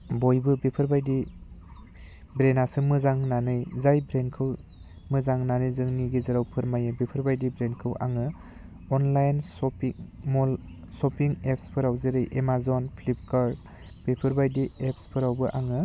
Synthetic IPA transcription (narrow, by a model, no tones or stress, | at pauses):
bojbɯbipʰɯɾbajdi | bɾenasɯmɯzaŋnanɯjzajbɾenkʰɯw | mɯzaŋnanɯjzɯŋniɡizɯɾawpʰɯɾmajɯbipʰɯɾbajdibɾenkʰɯwʔa̰ŋɯ | ɔnlajnsɔpimɔl | sɔpiŋepʰspʰɯɾawzɯɾɯjʔemazɔnpʰlip̚kaɾ | b̥ipʰɯɾbajdiepʰspʰɯɾawbɯʔaŋɯ